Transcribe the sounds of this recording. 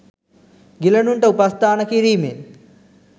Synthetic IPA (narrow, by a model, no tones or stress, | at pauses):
ɡilɐnuɳʈəupast̪ʰaːnəkiɾiːmen